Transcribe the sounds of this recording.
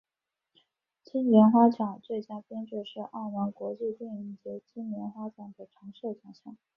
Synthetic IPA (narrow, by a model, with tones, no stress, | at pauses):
t͡ɕʰi˥nljɛ˧˥nxwa˥t͡ɕʰjɑ˨˩ŋt͡swe˥˩ɪt͡ɕja˥pjɛ˥nʈ͡ʂ̩˥˧ʂɻ̩˥˧ʔa˥˩wa˧˥nkwɔ˧˥t͡ɕi˥˧t̪ɛ˥˧ni˥˩t͡ɕi˥t͡ɕʰi˥nljɛ˧˥nxwa˥t͡ɕʰjɑ˨˩ŋd̪ə˩ʈ͡ʂʰɑ˧˥ŋʂɤ˥˩t͡ɕʰjɑ˨˩ɕʰjɑ˨˩˦